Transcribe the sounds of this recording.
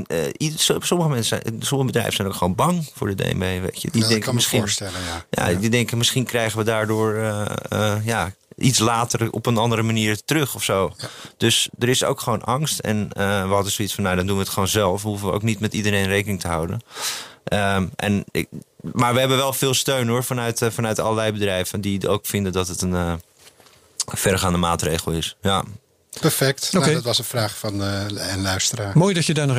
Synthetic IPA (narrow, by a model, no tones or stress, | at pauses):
issɔməχəmɛnsəɛsɔməχəbədrɛ̰jvənsɛjnoʊwkχəʋoːnbɑŋfʊːɹdədḛj̰mbejʋḛɪtjədidɛŋmɪsχinɛja̰didɛŋkəmɪsχinkrɛjχənʋədaːɹdʊːɹ | jaʔitslaːtərɔ̰pənɑndəɾəmaniːɹtərøχɔfsowd̥øsdəɾɪso̰wkχəʋownʔɑŋstɛ̰nəʋəɦɑdənsoitsfɔnːowdɔndunʋəətχʋoːnzɛlˠfɦufəʋəo̰ʊwk̚nitmɛtidəɾejnrejkənɪŋtəɦawdə̰nʔəʔɛ̰n | maːɹʋəɦɛbənʋɛlˠfɪːlˠstøɥnoɹfɑnœɥtfɑnœɥtɑ̰lˠəlɛjbədrɛjvəndio̰wkfɪndəndɔtɦətənə | fɛrχaːndəmaːtreːχəlˠɪsja | pɛɹfɛk̚toketʋɑsənfraːχfɑnɛnlœɥstəraːmoːjdɔtjədanɔ